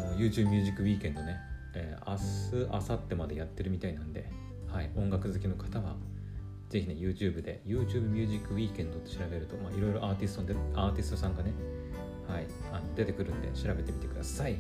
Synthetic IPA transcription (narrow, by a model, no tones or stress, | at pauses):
nojɯ̟ːt͡ɕɨːbɯ̟mʲɨːʑikːɯ̟wʲiːkẽ̞nd̪o̞ne̞ | eːa̰sɨʔa̰sat̪ːe̞mad̪e̞jat̪ːe̞ɾɯ̟mʲit̪ainãnd̪e̞ | haiõ̞ŋɡakɯ̟zɨkʲino̞kʰḁt̪aβa̰ | z̥e̞çine̞jɯ̟ːt͡ɕɨːbɯ̟d̪e̞̰jɯ̟ːt͡ɕɨːbɯ̟mʲɨːʑikːɯ̟wʲiːkẽ̞nd̪o̞t̪ːoɕiɾabe̞ɾɯ̟t̪o̞maːiɾo̞iɾo̞ʔaːt̪ʲisɨ̥t̪o̞nd̪eaːt̪ʲisɨ̥t̪osãŋɡane̞ | hai | ano̞d̪e̞t̪e̞kɯ̟ɾɯ̟̃nd̪e̞̰ɕiɾabe̞t̪e̞mʲit̪e̞kɯ̟d̪asai